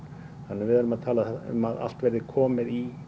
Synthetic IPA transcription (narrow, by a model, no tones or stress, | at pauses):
hanːɪvɪðhaɾʏmaðt̪ʰaːlaɛʏ̰maða̰l̥t̪vɛɾðɪkʰɔːmɪði